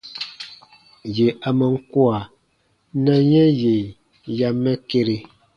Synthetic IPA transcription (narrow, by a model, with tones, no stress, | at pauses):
je˨a˨mə˨ŋ̩˦kwa˨ | na˦ɲɛ˦je˨ | ja˨mɛ˦ke˦ɾe˨